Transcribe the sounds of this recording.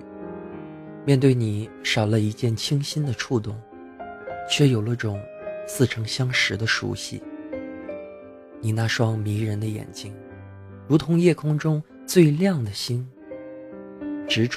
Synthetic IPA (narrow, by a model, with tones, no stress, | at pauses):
mʲjɛ˥˧nt̪we˥˩ɪni˨˩˦ʂɑ˨˩ʊlə˦i˧˥t͡ɕjɛ˥˩nt͡ɕʰi˥ŋɕi˥nd̪ə˨ʈ͡ʂʰu˥˧t̪ʊ˥˩ŋ | t͡ɕʰɥɛ˥˩jo˨˩ʊlə˦ʈ͡ʂʊ˨˩˦ŋsɹ̩˥˩ʈ͡ʂʰɤ˧˥ŋɕjɑ˥ŋʂɻ̩˧˥d̪ə˧ʂṵ˧˥ɕḭ˥˩ | ni˨˩na˥˧ʂwɑ˥ŋmi˧˥ɻə˧˥nd̪ə˧jɛ̰˨˩nt͡ɕi˥ŋ | ɻu˧˥t̪ʰʊ˧˥ŋjɛ˥˩kʰʊ˥ŋʈ͡ʂʊ˥ŋ | t͡swe˥˧ɪljɑ˥˩ŋd̪ə˩ɕi˥n | ʈ͡ʂɻ̩˧˥ʈ͡ʂ